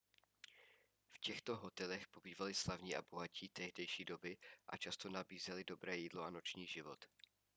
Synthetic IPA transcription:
fcɛxt̪o̞ɦo̞t̪ɛlɛxpo̞biːvalɪslavɲiːʔa̰bo̞ɦaciːt̪ɛɦdɛjʃiːdo̞bɪʔa̰t͡ʃast̪o̞nabiːzɛlɪdo̞bɾɛːjiːdlo̞ano̞t͡ʃɲiːʒɪvo̞t̪

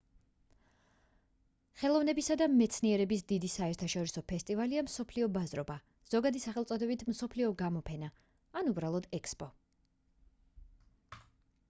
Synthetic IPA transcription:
χɛlˠɔvnɛbisad̪amɛt̪sʰniɛɾɛbisd̪id̪isaɛɾt̪ʰaʃɔɾisɔpʰɛst̪ʼivaliamsɔpʰliɔbazɾɔba | z̥ɔɡad̪isaχɛlˠt̪sʼɔd̪ɛbit̪ʰm̩sɔpʰliɔɡamɔpʰɛnaː | nubɾalˠɔd̪ɛkspʼɔ

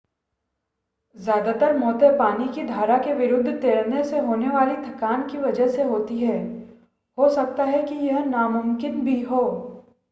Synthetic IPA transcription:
zjaːd̪at̪əɾmɔːt̪epaːnikid̪ʱaːɾakeʋɪɾʊd̪ʱːət̪eːɭneseɦoːneʋaːlit̪ʰɐkaːnkiʋɐd͡ʒəɦseɦoːt̪iɦɛː | hoːsɐk̚t̪aɦɛkijɐɦnamʊmkɪnbʱiɦoː

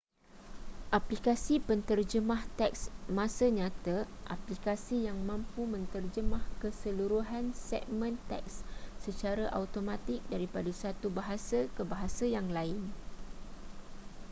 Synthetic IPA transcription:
ʔaplikasipənt̪ərd͡ʒəmãht̪ɛk̚smãsaɲãt̪aʔa̰plikasijaŋmãmpumə̃nt̪ərd͡ʒəmahkəsəluɾuɦansɛ̰k̚mə̃nt̪ɛ̰k̚sːət͡ʃaɾaʔawt̪omãt̪ɪk̚daɾipadəsat̪ubaɦasakəbaɦasajaŋlaɪn

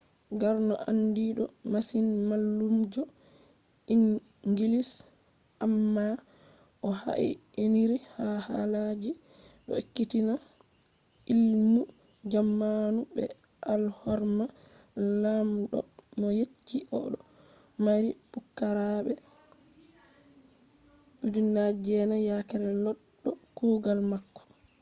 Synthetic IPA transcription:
ɡaɾnɔʔandiɗɔmasinmalːumd͡ʒɔ | iŋ | ŋɡilis | ʔamːa | ʔɔha̰ʔḭiniɾihahalad͡ʒi | ɗɔ̰ekːitina | ilmu | d͡ʒamːanubɛ̰ | ʔalhɔɾma | lamɗɔ̰mɔjet͡ʃːiʔɔɗɔ | maɾipukːaɾaɓɛ | ɗudinad͡ʒɛnajakɛɾɛlɔɗːɔkuːɡalmakːɔ̥

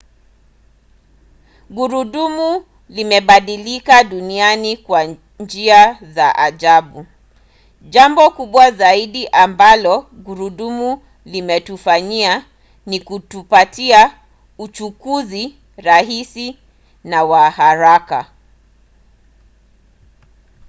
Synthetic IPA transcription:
ɡuɾuɗumu | limɛɓaɗilikaɗunianikwa | ɲd͡ʒiazaʔaʄaɓu | ʄambɔkuɓwazaiɗiʔambalɔɡuɾuɗumu | limɛtufaɲia | nikutupatia | ut͡ʃukuzi | ɾaɦisi | nawahaɾaka̰

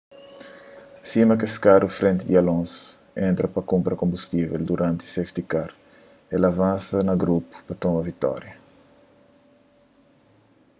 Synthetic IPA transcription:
simɐkeskaɾufɾẽnt̪id̪iɐlõns | ẽnt̪ɾɐpɐkũmpɾɐkõmbust̪iveld̪uɾãnt̪i̥seft̪ikaɾ | elɐvãnsɐnɐɡɾupu̥pɐt̪õmɐvit̪ɔ̰ɾjɐ

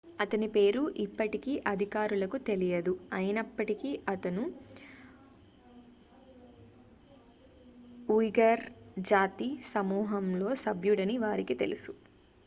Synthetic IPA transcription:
ɐt̪ɐnipe̞ːɾuʔipːɐʈikiːʔɐd̪ʱikaːɾulɐkut̪e̞lijɐd̪uɐjɐnɐpːɐʈikiːʔɐt̪ɐnu | ujɡɐɾ | d͡ʒaːt̪isɐmuːɦɐmlo̞ːsɐbʱjuɽɐniʋaːɾikit̪e̞̰lusu̥

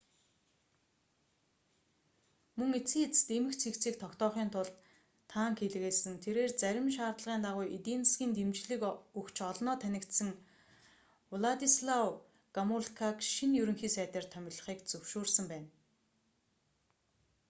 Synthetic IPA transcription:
mɵŋet͡siːt͡st̪emɘ̆kt͡sʰikt͡siːk̚t̪ʰɔkt̪ɔːχiːnt̪ʰʊɮt̪ | t̪ʰːaːŋxeɮɣeːɮsɘ̆nt̪ʰeɾeːrt͡sæɾʲɪ̆mʃ̬aːrt̪ɮəʁiːnt̪aʁʊjʔit̪insɡʲiːnt̪emt͡ɕɮɘ̆kɵkt͡ɕɔɮnɔːt̪ʰænʲɪ̆kt̪sɘ̆ŋ | ɮat̪isɮaw | ɡ̥amuɮkʰakʃinjɵɾɵ̆ŋxiːsæːt̪ə̆rt̪ʰœmʲɪ̆ɮə̆χiːkt͡sɵwʃoːrsə̆mpæːn

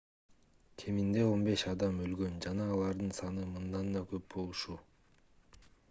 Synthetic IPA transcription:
kʲʰe̞mind̪e̞o̞nbe̞ʃɑd̪ɑmølɡø̞nd͡ʒɑnɑːlˠɑɾd̪ɯnsɑnɯmɯnd̪ɑnd̪ɑkʰø̞p̚bo̞lˠuʃu

